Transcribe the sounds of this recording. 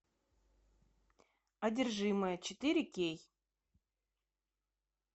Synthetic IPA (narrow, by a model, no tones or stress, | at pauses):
ɐdʲɪrʐɨməjət͡ɕɪt̪ɨɾʲɪkʲej